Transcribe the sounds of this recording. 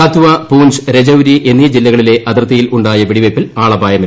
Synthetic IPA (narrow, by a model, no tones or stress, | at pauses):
at̪ʰuʋɐpuːd͡ʑɾed͡ʑɐwɾiʔenːijɐd͡ʑilːɐɣɐɭile̞ʔɐd̪ɐrt̪ːɐjiluɳɖaːjɐʋiɽiʋɐpːilaːɭɐbʱaːjɐmi